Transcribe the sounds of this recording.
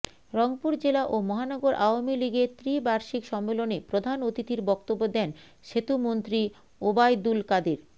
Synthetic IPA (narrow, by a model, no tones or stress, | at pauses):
ɾɔŋpuɾd͡ʑelaʔomɔɦanɔɡoɾʔaoamiliɡet̪ɾibaɾʃikʃɔmːelonepɾod̪ʱanot̪it̪iɾbɔkt̪obːod̪ɛn | ʃet̪umont̪ɾi | obajd̪ulkad̪iɾ